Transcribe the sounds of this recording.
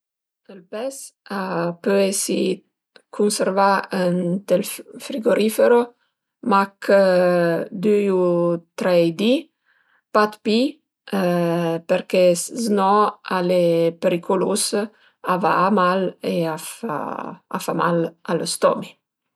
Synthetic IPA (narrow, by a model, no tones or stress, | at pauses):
əlpɛsapøesi | kʰunservaənt̪elfɾiɡoɾifeɾo | mak | d̪yjut̪ɾɛjd̪i | pat̪pi | peɾkɛznɔalepeɾikʰolus | avaːmaleafa̰a̰fama̰lalost̪ɔ̰mi